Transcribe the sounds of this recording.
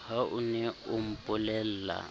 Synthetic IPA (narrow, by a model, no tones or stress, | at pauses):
haʔunɛʊm̩pʼʊlɛl̩ːla̰